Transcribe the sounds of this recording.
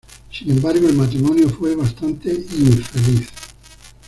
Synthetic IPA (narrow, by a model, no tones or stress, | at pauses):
sinẽmbaɾɡoelmat̪ɾimɔnjofweβast̪ant̪eiɱfeliθ